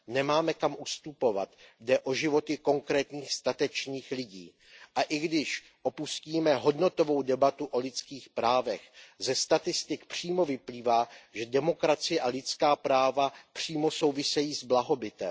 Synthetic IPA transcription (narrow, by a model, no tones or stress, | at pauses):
nɛmaːmɛkamʔust̪upo̞va̰t̪dɛʔo̞ʒɪvo̞t̪ɪko̞ŋkɾɛːt̪ɲiːxst̪at̪ɛt͡ʃɲiːxlɪɟiː | ʔaʔɪɡdɪʃ | ʔo̞pusciːmɛɦo̞dno̞t̪o̞vo̞wdɛbat̪uʔo̞lɪt͡skiːxpɾaːvɛxzɛst̪at̪ɪst̪ɪkpr̝̥iːmo̞vɪpliːvaːʒɛdɛmo̞kɾat͡sɪjɛʔalɪt͡skaːpɾaːvapr̥iːmo̞so̞wvɪsɛjiːzblaɦo̞bɪt̪ɛ̰m